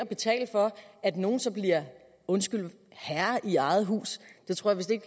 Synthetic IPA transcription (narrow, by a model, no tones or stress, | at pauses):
ɐb̥e̝t͡sʰɛ̰ːl̥fɒ̽æd̥no̝ːn̩sɒ̽b̥liɐ̰ | ɔ̽nsɡ̥yl̰ | hæɐʔiɑ̈ɪð̞̩ˠɦṵːsd̥e̝t͡sʰʁo̰ɐ̰ʋe̝sd̥e̝eɡ̥